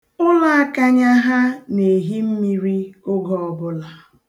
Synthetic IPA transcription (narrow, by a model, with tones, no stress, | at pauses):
ʊ˦la˦a˦ka˦ɲa˦ɦa˦ne˨ɦi˦m̩˦mi˦ɾi˦ʊ˦ɡɔ˦ɔ˨bʊ˦la˨